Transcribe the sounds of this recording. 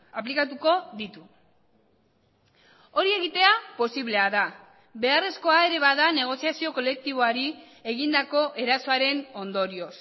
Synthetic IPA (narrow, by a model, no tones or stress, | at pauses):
aplikat̪uko̞ðit̪u | o̞ɾie̞ɣit̪e̞apo̞siβle̞aða | βe̞are̞sko̞ae̞ɾe̞βaðane̞ɣ̞o̞siasio̞ko̞le̞k̚t̪iβ̞o̞aɾi | e̞ɣind̪ako̞ʔe̞ɾaso̞aɾe̞no̞nd̪o̞ɾio̞s